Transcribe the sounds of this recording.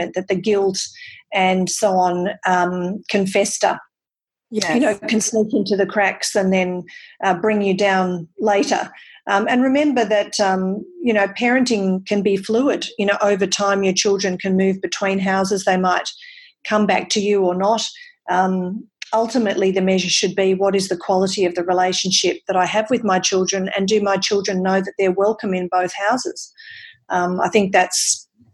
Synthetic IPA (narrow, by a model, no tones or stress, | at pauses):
ɨ̃nðɨt̪̚ðɨɡɪlˠtɨ̃nsoʊɑ̃nʌ̃mkʰɨ̃ɱfɛstə̰˞ | jjɨnoʊkʰɨ̃nsɛʃɨ̃ntʰɨðɨkʰɹ̥æksɨ̃nðɨ̃nʔʌbɹɪ̃ŋjɨdãʊ̃nleɪɾə̰˞ʔʌ̃mɨ̃nɹɨmɛ̃mbə˞ðɨtʌ̃mjɨnoʊpʰɛɹɨ̃ntɪ̃ŋkʰɨ̃nbifluɪdjɨnoʊʔoʊvə˞tʰãɪ̃mjə˞t͡ʃʰɪlˠdɹɨ̃nkʰɨ̃nmʉvbɨtʰw̥ĩnɦaʊzɨzðeɪmaɪt̚ | kʰʌ̃mbæk̚tʰɨjɨə˞nəɾʔʌ̃mʌlˠtɨmɨʔˡliðɨmɛʒə̥˞ʃɨd̚biwʌɾɨzðɨkʰw̥ɑlˠəɾiʌvðɨɹileɪʃn̩ʃɪp̚ðɨɾaɪɨvwɨðmaɪt͡ʃʰɪlˠdɹɨ̃nɨ̰̃ndɨmaɪt͡ʃʰɪlˠdɹɨ̃nːoʊðɨt̪̚ðə˞wɛlˠkɨ̃mɨ̃nboʊθhaʊzɨ̰z̥ʔʌ̃ma̰ɪθɪ̃ŋk̚ðæts